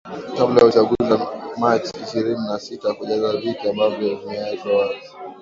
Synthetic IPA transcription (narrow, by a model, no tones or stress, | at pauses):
kablajaut͡ʃaɠuzamat͡ʃiʃiɾininasitakuʄazavikiambavjɔmɛaivjɔwazi